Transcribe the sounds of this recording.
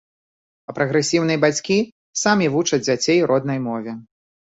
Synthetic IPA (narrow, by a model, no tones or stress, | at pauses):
pɐpɾʔɐɣɾɛsʲiwnɐjbat͡sʲkʲi | samʲivut͡ʂɐd͡zʲd͡zʲat͡sʲejɾʔɔd̪nɐjmɔvʲɛ